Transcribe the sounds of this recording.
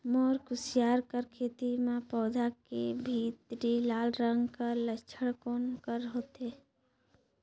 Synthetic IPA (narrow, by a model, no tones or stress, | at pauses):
moːɾkʊsɪjaːɾkəɾkʰeːt̪imẽpɔːd̪ʱakebʱit̪ɾilaːlɾə̃ŋɡkələt͡ʃʰəɽkoːnkəɾɦoːt̪eː